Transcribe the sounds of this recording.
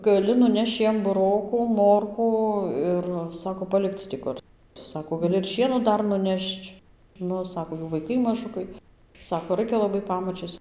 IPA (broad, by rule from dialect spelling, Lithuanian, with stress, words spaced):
ɡɐˈlʲɪ nʊˈnʲɛʃt͡ʃ ˈjiɛm bʊˈroːkuː ˈmoːrkuː ˈɪr ˈsɑːkoː pɐˈlʲɪkt͡s tʲɪ ˈkʊr ˈsɑːkoː ɡɐˈlʲɪ ɪr ˈʃʲiɛnoː ˈdɐr nʊˈnʲɛʃt͡ʃ ˈnʊ ˈsɑːkoː ˈjuː ʋɐɪˈkɐɪ mɐˈʒʊkɐɪ ˈsɑːkoː ˈrɐɪkʲɛ lˠɐˈbɐɪ ˈpɑːmɐt͡ʃʲiɛs